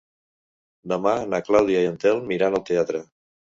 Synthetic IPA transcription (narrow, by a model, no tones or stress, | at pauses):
d̪əmanaklawðiaiənt̪ɛlˠmiɾanəlˠt̪eat̪ɾə